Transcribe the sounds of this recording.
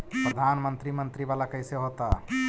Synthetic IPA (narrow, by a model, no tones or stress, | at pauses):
pɾəd̪ʱaːnmənt̪ɾimənt̪ɾibalakəɪseɦot̪a